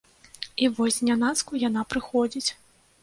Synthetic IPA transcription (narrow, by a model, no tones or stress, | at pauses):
ivɔsʲnʲanat̪skujan̪apɾɨxɔd͡zʲit͡sʲ